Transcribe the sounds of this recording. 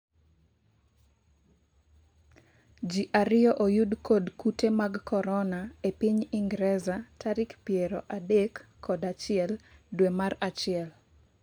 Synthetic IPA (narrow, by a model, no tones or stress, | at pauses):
d͡ʒiʔaɾɪɔʔojudkʰodkutemaɡkʰɔɾɔnaepiɲiŋɡɾɛzatʰaɾɪkpjeɾɔʔadekʰː | ɔdat͡ʃɪɛldwemaɾat͡ʃɪɛl